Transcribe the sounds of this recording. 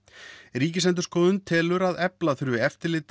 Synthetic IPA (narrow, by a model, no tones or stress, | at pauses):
ɾiːcɪsɛnt̪̬ʏ̥ɾskɔːðʏnt̪ʰɛːlʏɾaðɛplaθɾvɪɛft̪ɪɾlɪːt̪